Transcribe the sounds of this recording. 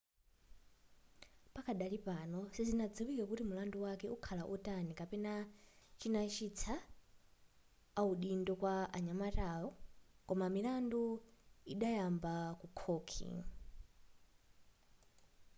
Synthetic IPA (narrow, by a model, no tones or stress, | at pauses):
pakʰaɗalipanɔsizinad͡ziwikakutimulanduwakɛukʰalaʔɔtanikapɛnat͡ʃinat͡ʃʰit͡sʰa | uɗindɔkwaa̰ɲamataɔkɔmamilanduiɗajambakukʰɔkʰḭŋ